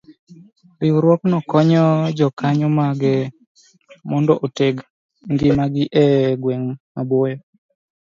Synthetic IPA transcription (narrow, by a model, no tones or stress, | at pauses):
piwɾwɔknɔkɔɲɔd͡ʒɔkaɲɔmaɡɛ | mɔndɔʔoteɡ | ŋɡɪmaɡɪʔɛɡwɛŋmabɔjɔ